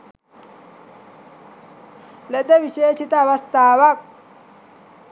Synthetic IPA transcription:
led̪eʋiʃeːʃit̪ɐɐʋɐst̪aːʋɐk̚

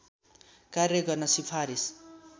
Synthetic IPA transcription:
karjʌɡʌrnʌsipʰaɾis

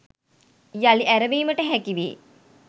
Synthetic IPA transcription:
jaliʔæɾəʋeːməʈəɦækiʋḛː

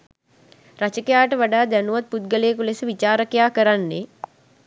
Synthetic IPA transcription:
rat͡ʃəkejaːʈəʋaɖaːd̪ænuʋat̪̚put̪̚ɡəleːkulesəʋit͡ʃaːɾəkjaːkəɾanːe

